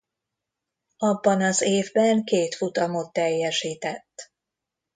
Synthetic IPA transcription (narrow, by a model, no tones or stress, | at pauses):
ɒbːɒnɒzeːvbɛŋkeːt̪fut̪ɒmo̞t̪ːɛjːɛʃiːt̪ɛt̪ː